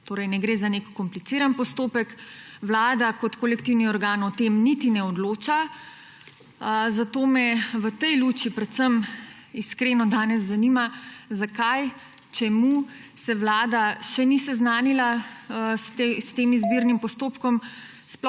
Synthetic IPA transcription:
t̪oːɾɛjnɛɡɾeːzanekːɔmplit̪siːɾanpɔst̪oːpɛkʋlaːd̪akɔt̪kolɛkt̪iwniɔɾɡaːnɔt̪emnit̪inɛɔd̪loːt͡ʃa | zat̪oːmɛʋət̪ɛjluːt͡ʃipɾɛt̪səm | iskɾeːnɔd̪aːnɛzːanimazakaj | t͡ʃɛmu | sɛʋlaːd̪aʃɛnisɛznaːnilast̪st̪eːmizbiɾnimpɔst̪oːpkɔm | spɔ

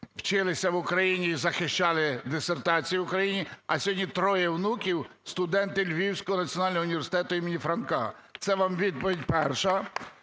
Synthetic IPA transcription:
wt͡ʃɪlˠɪsʲɐwʊkɾɐjinʲiːzɐxɪʃt͡ʃɑlˠɪd̪ɪsert̪ɑt͡sʲijiwʊkɾɐjinʲiɐsʲɔdʲnʲit̪ɾɔjɛwnukʲiwst̪ʊd̪ɛnt̪ɪlʲʋʲiwsʲkɔɦɔnɐt͡sʲiɔnɑlʲnɔʊnʲiʋʲerɾsɪ̥t̪ɛt̪ʊimenʲifɾɐnkɑ̰t̪sɛʋɑmʋʲid̪̚pɔʋʲidʲpɛrʃɐ

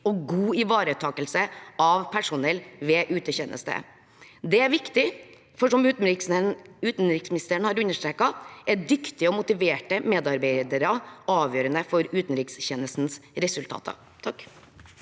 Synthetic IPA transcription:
ɔɡuːɪʋɑːɾət̪ʰɑːkəlsəɑʋpʰæʂʊnɛlʋeːʔʉːt̪əçɛnʔə̰st̪ə̰ | d̪ɛæɾʋɪkt̪ɪ | fɔʂɔmʉːt̪n̩ɾ | ʉːt̪n̩ɾɪksmɪnɪst̪əɳhɑɾʉnːəʂʈ̪ɾeːkːɑæɖʏkt̪ɪɔmʊt̪ɪʋeːʈəmeːd̪ɑɾbɛɪd̪əɾɑɑːʋjøːɾənəfɔɾʉːt̪n̩ɾɪksçɛnəst̪n̩sɾɛsʉlt̪ʰɑ̰ːt̪ʰɑ̰ | t̪ʰɑkː

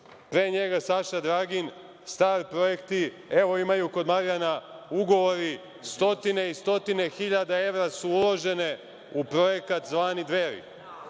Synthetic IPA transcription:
pɾeːɲe̞ɡasaʃad̪ɾaːɡin | st̪aːɾpɾo̞je̞kt̪i | e̞ʋo̞imajuko̞d̪maɾijanauɡo̞ʋo̞ɾi | st̪o̞t̪ine̞ist̪o̞t̪ine̞xiʎad̪ae̞ʋɾasuulo̞ʒe̞ne̞ | upɾo̞je̞kat̪zʋaːnid̪ʋeɾḭ

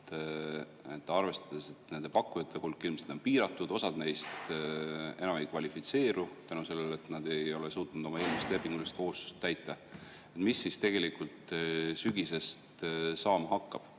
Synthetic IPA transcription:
t̪ | et̪ːˑɑrve̞st̪ɑd̪ese̞t̪ne̞nd̪epɑkˑːujɑt̪ˑːe̞hulkːˑilmsed̪̥o̞npiːɾɑt̪ːˑud̪o̞sɑd̪ne̞jst̪ | e̞nɑme̞jkvɑlʲifit̪se̞ːɾut̪ænuse̞lːele̞t̪nɑd̪̥e̞jo̞le̞suːt̪ːˑunud̪o̞mɑe̞ːlmist̪le̞pːˑiŋɡ̥ulːest̪̚ko̞hust̪u̥st̪ːæjt̪ːˑɑ | e̞t̪misːist̪e̞ɡ̥e̞likult̪syɡise̞st̪sɑːmɑɦɑkːɑb̥

